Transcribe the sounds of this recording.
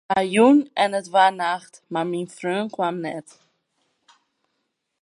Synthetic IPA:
ajunɛnətvanaχtmarminfrøːnkwamnɛ̰t

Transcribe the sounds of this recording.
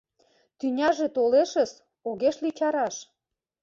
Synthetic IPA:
t̪ynʲɑʒet̪oleʃə̆s | oɣeʃlit͡ɕɑɾɑʃ

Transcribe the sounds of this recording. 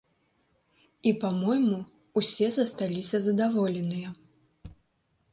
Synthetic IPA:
ipamɔjmu | usʲɛzɐst̪alʲisʲɐzɐd̪avɔlʲɛnɨjɐ

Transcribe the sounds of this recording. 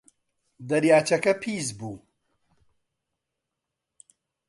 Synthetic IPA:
d̪ɐɾjaːt͡ʃɐkɐpʰiːzbuː

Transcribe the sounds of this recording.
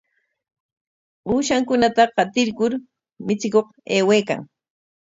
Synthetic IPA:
uːʃaŋkʊnat̪aqɑt̪ɪɾkʊɾ | mɪt͡sɪkoqeːweːka̰ŋ

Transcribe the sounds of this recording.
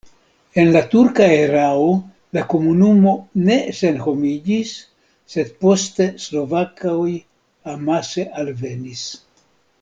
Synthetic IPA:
e̞nlatuɾkaeɾao | lako̞munumo̞ne̞se̞nho̞mid͡ʒisː | e̞d̪̚po̞ste̞slo̞vakaj | amase̞ʔalve̞nis

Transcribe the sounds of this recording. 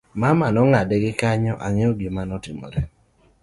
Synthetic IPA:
mamanɔŋadɛɡɪkaɲɔʔaŋɪɔɡimanɔtɪmɔ̰ɾɛ

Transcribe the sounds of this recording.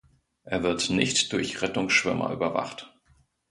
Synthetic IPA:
ʔeːɐvɪɐtnɪçtd̥ʊɐçʁɛtʊŋsʃv̥ʏmɐ̰ʔy̰ːbɐva̰χt

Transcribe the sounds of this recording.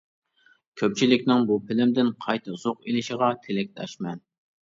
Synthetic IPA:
kʲʰøp̚t͡ʃʰilɪkʲnɪŋbupʰɪlɪmd̪ɪnqʰɑjt̪ʰɑz̥oqelɪʃiʁɑt̪ʰelɪk̚ʲt̪ʰɛ̰ʃmɛn

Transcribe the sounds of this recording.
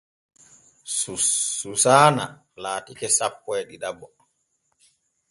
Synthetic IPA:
sususaːna̰ | laːtikɛsapkɔjɗiɗabːɔ

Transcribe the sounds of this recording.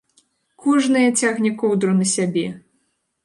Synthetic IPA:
kɔʐnɨjɐt͡sʲaɣnʲikɔwd̪ɾunɐsʲabʲɛ

